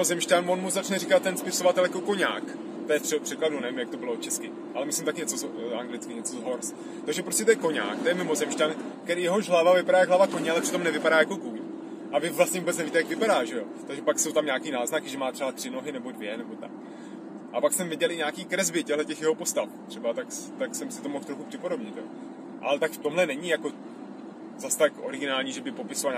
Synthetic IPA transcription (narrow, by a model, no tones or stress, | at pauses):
mɪmozɛmʃtanvonmuzat͡ʃnɛrikat̪tːɛnspɪso̞vat̪ɛljakoko̞ɲa̰ːk | t̪ojɛrɛpr̥ɛkladunɛvɪmjak̚t̪o̞bɪlot͡ʃɛskɪ | ʔalɛmɪslɪmt̪akɪɲɛt͡sozʔaŋɡlɪt͡skɪɲɛt͡sozɦo̞ɾs | t̪oɣʒɛpɾoscɛt̪̬ojɛko̞ɲa̰ːkt̪ojɛmɪmo̞zɛmʃt̪ank̪ɛɾiːjɛɦo̞ʒɦlavavɪpaɾaːjaɡɦlavakoɲɛalɛpr̥ɪ̥t̪o̞mnɛvɪpaɾaːjako̞kuɲ | ʔavɪvlastɲɛvubɛt͡snɛviːt̪ɛjakvɪpaɾaːʒɛjo̞t̪aɡʒɛpaksowt̪amɲaːkiːnaːznakɪʒɛmaːt̪r̥ɛbat̪r̥ɪno̞ɦɪnɛbo̞dvjɛnɛbo̞t̪a̰k̚ | ʔapaksɛmvɪɟɛlɪɲaːkiːkɾɛzbɪcɛɦlɛcɛxjɛɦopo̞st̪aft̪r̥ɛbat̪akt̪aksɛmsɪt̪o̞moxt̪ɾoxupr̥ɪpo̞ɾobɲɪt̪jo | ʔa̰lɛt̪akft̪o̞mɦlɛnɛɲɪjako̞ | zast̪akʔoɾɪɡɪnaːlɲiːʒɛbɪpo̞pɪsoval